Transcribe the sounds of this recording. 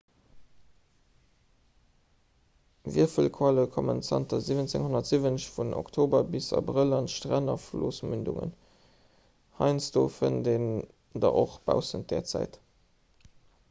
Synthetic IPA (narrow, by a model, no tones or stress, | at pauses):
vḭːɐfəlkʰwaləkʰomənt͡sɑntɐzivənt͡seŋhonɐtz̥ivənɕfunʔo̰ktʰoːbɐbisɑ̰bʁəlɑntʃtʁænɐfloːsmyndṵŋə̰n | hɑɪnsd̥oːfənden | dɑʔoχb̥a̰ʊsənt̚d̥ɛːɐt͡sæɪt